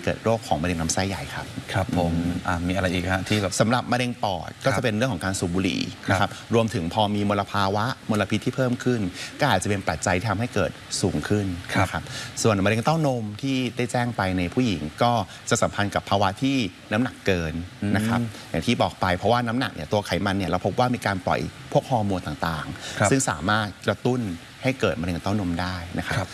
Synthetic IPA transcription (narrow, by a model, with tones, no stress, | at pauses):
kɤː˨˩t̪̚ɾoː˥˩kʰːɔː˩˦ŋma˧ɾe˧ŋna˦˥msa˥˩jːa˨˩jkʰa˦˥p̚kʰa˦˧pʰːo˨˦mʔa˧˩miː˧a˧ɾa˧jʔiː˨˩k̚ha˦˥t̪ʰiː˥˩˨sa˩˦mɾa˨˩p̚ma˧ɾe˧ŋpɔ̰ː˨˩t̪̚kɔː˥˩a˨˩pe˧nɾɯ˥˩əŋʰkʰɔ˩˦ŋkaː˧nsuː˨˩buː˧lḭː˩˦na˦˥kʰa˦˥p̚ɾu˧əmt̪ʰɯ˩˦ŋpʰɔː˧miː˧mo˧la˧pʰaː˧wa˦˥ʔmo˧la˧pʰi˦t̪ʰːiː˥˩pʰɤː˥˩mkʰɯ˥˩nkɔː˥˩ʔaː˨˩t̪̚t͡ɕa˨pe˧npɾa˨˩t̪̚t͡ɕa˧j̪ʰiː˥˩tʰa˧mha˥˩jkɤː˨˩t̪̚suː˩˦ŋkʰɯ˥˩nʰaa˦˥kʰa˦˥p̚su˨˩ənmaː˧ɾe˧ŋt̪a˥˩wno˧mt̪ʰiː˥˩daː˥˩jt͡ɕɛː˥˩ŋpa˧jna˧jpʰuː˥˩ji˩˦ŋkɔː˥˩ | t͡ɕa˨˩ʔsa˩˦mpʰa˧nka˨˩pʰːaː˧wa˦˥t̪ʰiː˥˩na˦˥mna˨˩kːɤː˧nːa˦˥kʰɾa˦p̚ja̰˨˩ŋt̪ʰiː˥˩bɔː˨˩k̚pa˧jpʰɾɔ˦˥waː˥˩na˦˥mna̰˨˩k̚nḭ˥˩ɐt̪u˧ɐkʰa˨˩˦jma˧nːi˥˩ɐɾɛ˦˥wpʰo˦˥p̚waː˥˩miː˧kaː˧nplɔ̰˨˩jpʰu˥˩ək̚hɔː˧moː˧nt̪aː˨˩ŋt̪aː˨˩ŋsɯ˥˩ŋsaː˩˦maː˥˩t̪̚kɾa˧t̪u˥˩n | ha˥˩jkɤː˨˩t̪̚ma˧e˧ŋt̪a˥˩wno˧mdaː˥˩jna˦˥kʰa˦˥p̚